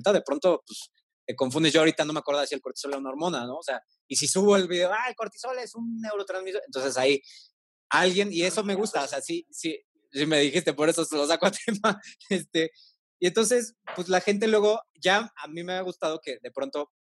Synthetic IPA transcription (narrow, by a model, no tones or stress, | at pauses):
t̪aðe̞pɾo̞nt̪o̞pes | t̪e̞ko̞ɱfũnd̪ezʝoaoɾit̪ano̞meakweɾðasie̞lko̞ɾt̪i̥so̞leɾunaoɾmõ̞nano̞ːse̞a | isisuβo̞elβiðe̞oaelko̞ɾt̪i̥so̞lesunːe̞wɾot̪ɾanzmisoent̪o̞nse̞sai | alɣje̞nie̞so̞me̞ɣust̪aoseasisi | sime̞ðixist̪epo̞ɾesoselos̬akoat̪ʰemaest̪e | ie̞nt̪o̞nse̞spwezlaxe̞nt̪̬e̞lwe̞ɣ̞o̞ | ʝaamĩme̞aɣust̪að̞o̞ke̞ðe̞pɾo̞nt̪o̞